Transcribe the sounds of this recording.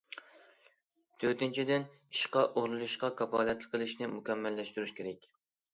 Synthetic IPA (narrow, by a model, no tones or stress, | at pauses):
t̪ʰøt̪ɪnt͡ʃʰid̪ɪn | iʃqɑʔohlɨlˠuʃqɑkʰɑpɑːljɛt̪lˠɪqʰːəlˠɪʃnɪmukʲɛmːɛlːɛʃt̪yɾyʃkʲʰeɾɛkʲ